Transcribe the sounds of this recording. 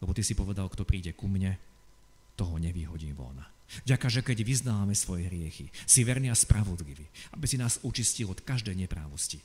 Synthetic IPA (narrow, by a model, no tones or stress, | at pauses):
lɛbɔt̪isipɔʋɛd̪alkt̪ɔpɾiːɟɛkumɲɛ | t̪ɔɦɔɲɛʋiːɦɔɟiːʋɔ̰navɟakaʒɛkɛɟʋiznaːʋamɛsʋɔjɛɦɾɪɛxḭsiʋɛɾniaspɾaʋɔd̪liʋiːabisinaːzut͡ʃiscilɔt̪kaʒd̪ɛjɲɛpɾa̰ːʋɔsci